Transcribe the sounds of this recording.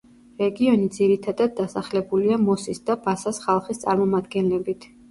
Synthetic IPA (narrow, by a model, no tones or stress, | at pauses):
ɾɛɡiɔnid̪ziɾit̪ʰad̪ad̪̚ːasaχlɛbuliamɔsisd̪abasasχalˠχist̪sʼa̰ɾmɔmad̪ɡɛnlɛbit̪ʰ